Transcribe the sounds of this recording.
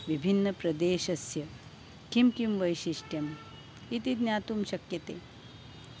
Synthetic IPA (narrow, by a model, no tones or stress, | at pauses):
ʋibʱinːɐpɾɐd̪eːʃɐsjɐ | kimkimʋɐjʃiʂʈjɐm | it̪id̪nʲjaːt̪umʃɐkjɐt̪eː